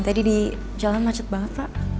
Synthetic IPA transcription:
t̪adidi | d͡ʒalanmat͡ʃat̪̚baŋət̪̚paʔ

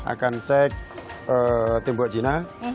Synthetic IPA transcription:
ʔa̰kant͡ʃɛk̚ət̪embɔʔd͡ʒina

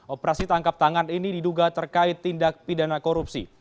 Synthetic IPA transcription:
ɔpəɾasit̪aŋkap̚t̪aŋaninididuɡat̪ərkaɪt̪ːindak̚pidanakoɾupsḭ

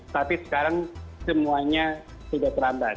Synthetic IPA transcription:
t̪apisə̥kaɾaŋsəmuaɲa | sudat̪əɾamba

